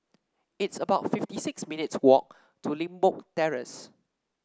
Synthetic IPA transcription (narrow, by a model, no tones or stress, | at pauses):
ɪtsəbaʊtfɪftisɪksminɪtswɔk̚ | tʰulĩmbɔk̚tɛɹə̰s